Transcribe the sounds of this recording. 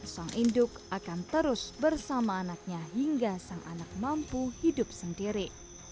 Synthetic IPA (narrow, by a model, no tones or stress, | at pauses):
saŋʔindʊkʔakant̪əɾʊsbərsamaːnak̚ɲaɦiŋɡasaŋʔa̰nak̚mampuhidʊp̚səndiɾi